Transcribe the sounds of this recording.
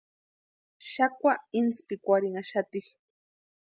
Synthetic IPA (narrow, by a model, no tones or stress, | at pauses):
ʃakʷwaɪnspɪkʷaɾiŋaʃat̪ɪχ